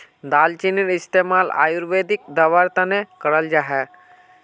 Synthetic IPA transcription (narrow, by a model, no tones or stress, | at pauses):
d̪alt͡ʃiniɾist̪emala̰juɾʋed̪ik̚d̪əʋaɾt̪anekəɽəld͡ʒaɦɛ